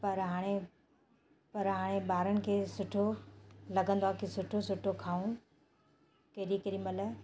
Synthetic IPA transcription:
pɐɾɦaːɽ̃e | pɐɾɦaːɽ̃ebaːɾəɽ̃ɪ̆kʰeːsʊʈʰolɐɡə̃nd̪oaːkisʊʈʰosʊʈʰokʰaːũ | kɐɦɾikɐɾĩmɐlə

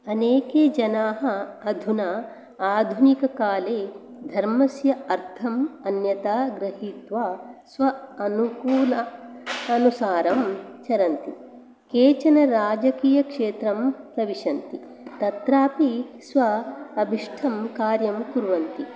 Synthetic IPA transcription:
ɐneːkeːd͡ʒɐnaːɦɐɐd̪ʱuna | aːd̪ʱunikɐkaːleː | d̪ʱɐɾmɐsjɐɐɾt̪ʰɐmɐnjɐt̪aːɡɾɐɦiːt̪ʋaːsʋɐɐnukuːlɐɐnusaːɾɐmt͡ʃɐɾɐnt̪i | keːt͡ʃɐnɐɾaːd͡ʒɐkiːjɐkʂeːt̪ɾɐmpɾɐʋiʂɐnt̪i | t̪ɐt̪ɾaːpisʋɐɐbʱiʂʈʰɐmkaːɾjɐmkuɾʋɐnt̪i

